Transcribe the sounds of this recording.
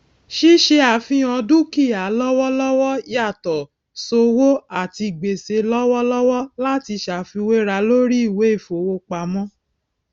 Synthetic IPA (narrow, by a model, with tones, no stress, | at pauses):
ʃi˦ʃe˧˦a˨fĩ˧˦ɔ̃˧dũ˦ki˦˨a˨˦lɔ˦wɔ˦lɔ˦wɔ˦a˦˨tɔ˨ | so˧wo˦a˦˨ti˧˨ɡ͡be˨se˧˦lɔ˦wɔ˦lɔ˦wɔ˦la˦ti˧ʃa˨fi˧we˦ɾa˧lo˦ɾi˦i˦˨we˨˦i˦˨fo˨wo˧˦k͡pa˧˦mɔ̃˦